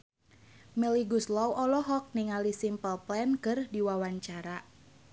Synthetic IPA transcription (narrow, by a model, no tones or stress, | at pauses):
mɛliɡuslɔwʔɔlɔɦɔk̚niŋalisimpəlplɛnkɨrdiwawaɲt͡ʃaɾa